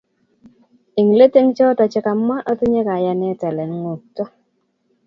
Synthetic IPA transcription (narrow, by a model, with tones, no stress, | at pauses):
i˨ŋ˨le˦te˦ŋt͡ʃɔ˦tɔ˨t͡ʃɛ˦ka˨mːa˦ʔa˦ti˦ɲe˦ka˨ja˦nɛ˦tɛ˨lɛ˨ŋ˦ŋo˨k̚tɔ˦